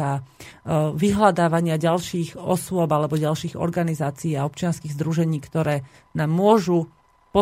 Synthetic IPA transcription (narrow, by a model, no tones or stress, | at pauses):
a | ʋiɦlad̪aːʋaɲɪaɟalʃiːɣɔsʊɔbalɛbɔɟalʃiːɣɔ̰ɾɡanizaːt͡siːaɔp̚t͡ʃɪanskiːɣzd̪ɾuʒɛɲiːkt̪ɔɾɛː | naːmːʊɔʒu | pɔ